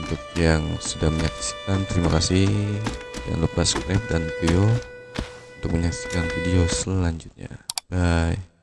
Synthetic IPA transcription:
unt̪ʊk̚jaŋsudaŋməɲaki̥si̥kant̪əɾimakasɪhja̰ŋlupasə̥kɾajp̚danpio | unt̪ʊk̚məɲaksi̥kanfidiosəlaɲd͡ʒut̪̚ɲa̰baj

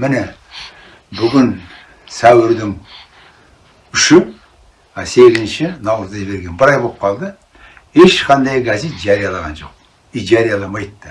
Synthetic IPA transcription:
mɪne | bʊɡʲɪn | sæwɪɾd̪ɪŋ | ʏʃɪ | ɑse̞ɡʲɪzɪnʃɪnɑwɾəzd̪ɑʒɪbe̞ɾɡʲe̞nbɪɾɑjbop̚qʰɑlˠd̪ə | heʃqʰɑnd̪ɑjɡazet̪ʒɑɾijɑlˠɑʁɑ̰nʒo̞̰q̚ | iʒaɾijɑlˠɑmɑjt̪ːə

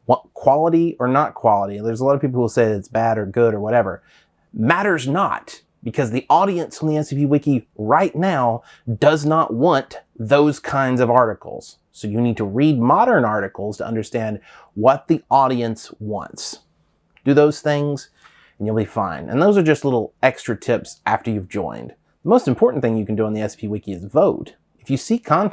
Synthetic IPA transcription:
wkʰw̥ɑlˠəɾiə˞nət̚kʰw̥ɑlˠəɾiðə˞zəlɔɾvpip̬l̩ˠhuseɪɨtsb̥æɾə˞ɡʊɾə˞wʌɾɛvə̰˞ | mæɾə˞znə̰t̚ | b̥ɨkʰʌzðiʔɔɾiɨ̃nsn̩ðiɛsiviwɪkiɹaɪtⁿnaʊ | d̥ʌznəʔ̚wɑ̃n | ðoʊz̥kʰãɪ̃ndzʌvɑɹɾɨkl̩ˠz̥ | soʊjɨnid̚tʰəɹid̚mɑɾə̃˞nɑɹɾɨkl̩ˠz̥tʰə̰ʔʌ̰̃ndə˞stæ̃nd | wʌt̪̚ðiɔɾiɨ̃nswɑ̰̃nts | d̥ɨðoʊz̥θɪ̃ŋz | ɨ̃n̩jɨlˠbifã̰ɪ̃nʔɨ̰̃nðoʊzə˞d͡ʒʌstˡlɪɾl̩ˠɛkstɹ̥ɨtʰɪpsʔæftə˞jʉvd͡ʒɔ̰̃ɪ̃nd | ðəmoʊstɨ̃m̩pʰɔɹʔn̩θɪ̃ŋjɨkn̩dɨə̃nðiɛsipʰiwɪkiɨzvoʊt | ɨfjɨsikʰɑ̃n

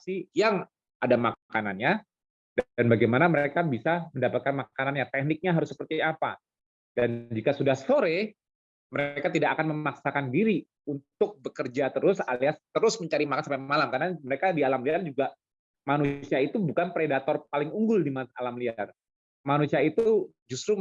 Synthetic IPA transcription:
sijaŋ | adamakananɲa | danbaɡajmanaməɾekabisaməndapat̪̚kanmakananɲat̪ɛk̚nɪk̚ɲaɦaɾʊsːə̥pərt̪iapa̰ | dand͡ʒikasudahsoɾe | məɾekat̪idakakanməmaksakandiɾi | unt̪ʊk̚bəkərd͡ʒat̪əɾʊsaliast̪əɾʊsməɲt͡ʃaɾimakansampamalamkanaməɾekadialamliard͡ʒuɡa | manusiait̪ubukanpɾedat̪ɔrp̚alɪŋuŋɡʊldimaalamliar | manusiait̪u | d͡ʒust̪ɾu

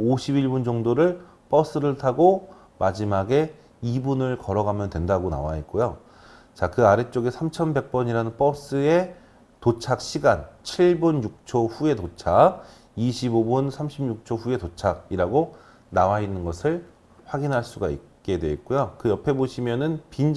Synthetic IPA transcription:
oɕʰibiɭbund͡ʑʌŋdoɾɯɭ | p͈ʌs͈ɯɾɯɭtʰaɡo | mad͡ʑimaɡe̞ | ibunɯɭkʌɾʌɡamjʌntwe̞ndaɡona̰waet̚k͈ojo | t͡ɕakɯaɾe̞t͡ɕ͈oɡesʰamt͡ɕʰʌnbe̞k̚p͈ʌɲiɾanɯnp͈ʌs͈ɯe | tot͡ɕʰak̚ɕʰiɡant͡ɕʰiɭbunjuk̚t͡ɕʰoɸue̞tot͡ɕʰak̚ | iɕʰibobunsʰamɕʰimɲjuk̚t͡ɕʰoɸue̞tot͡ɕʰaɡ̚iɾaɡo | nawainːɯnɡʌsʰɯɭ | ɸwaɡinɦaɭs͈uɡaik͈e̞dwe̞t̚k͈ojokɯjʌpʰe̞boɕʰimjʌnɯnpin

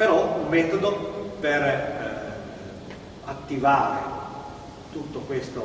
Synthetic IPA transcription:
peɾɔummːɛːt̪od̪oper | at̪ːivaːɾḛ | t̪ut̪ːokwest̪o

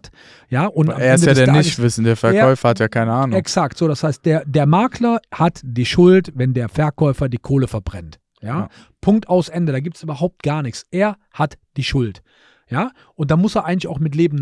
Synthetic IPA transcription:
t | jaːʔʊnta̰mʔːɛndəadːɐɪvɪsn̩deːɐfɛɐːkːɔʏfɐhatjaːkʰaɪnəaːnɛksaktz̥oːɾashaɪst̚d̥eːɐdeːɐmaːklɐhatd̥iːʃʊltvɛndeːɐfɛɐkʰɔʏfɐdiːkʰoːləfɛɐbʁɛnt | jaː | pʰʊŋk̚taʊsʔɛndəɾaːɡiːp̚tsʔyːbɐɦaʊp̚tɡ̥aːɐnɪçt͡sʔeːɐ | hatd̥iːʃʊlt | jaː | ʔʊnt̚d̥amʊseːɐʔaɪɡŋ̩lɪça̰ʊxmɪtleːbm̩

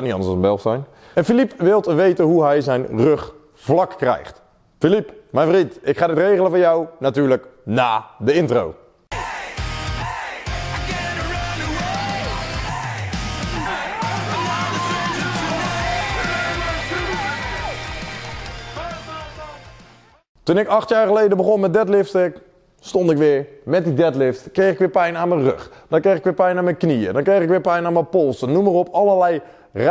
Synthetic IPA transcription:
tnitɑndəsɔsəmbɛlˠxsɛjn | ɛnfilipʋɪlˠtəʋejtəɦuɦɛjzɛjnrɵχ | v̥lɑkːrɛ̰jχt | filipmɛjnfrintɪkχaːdətrejɣələvɑnjawnatyːɹləknaːdəɪntro̰w | tunɪkɑxtjaːɹxəlejdəbəχonmɛdɛtlɪftək | stɔndɪkʋɪəɹmɛt̚didɛtlɪftkreːxɪkʋɪːpɛjnaːnmənrø̰xd̥ɔnkreːxɪkʋɪːpɛjnaːnmənkniə̰dɔnkreːxɪkʋɪːpɛjnaːnməpolˠsənːuməropʰaləlɛj | r

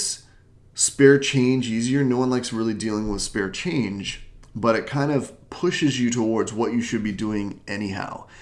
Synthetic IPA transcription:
s | spɛɹt͡ʃʰẽɪ̃nd͡ʒiziə˞noʊwʌ̃nlaɪksɹɪlˠidilˠɪ̃ŋwəð̥spɛɹt͡ʃʰẽɪ̃nd͡ʒbʌɾɨt̚kʰãɪ̃ndʌv̥pʰʊʃɨzjɨɾəwɔɹdzwʌt͡ʃɨʃɨd̚biduɪ̃ŋʔɛniɦa̰ʊ

